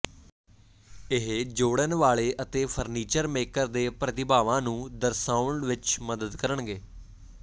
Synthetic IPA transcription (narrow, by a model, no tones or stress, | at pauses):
ɪɦd͡ʒoːɽənʋaːɭeːʔət̪eːpʰəɾniːt͡ʃəɾmeːkəɾd̪eːpɾət̪ɪbaːʋãːnũːd̪əɾsaːʊɳʋɪt͡ʃməd̪əd̪kəɾəɳɡeː